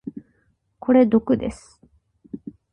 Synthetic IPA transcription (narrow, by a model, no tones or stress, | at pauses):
kʰo̞ɾe̞d̪o̞kɯ̟d̪e̞̰sɨ̥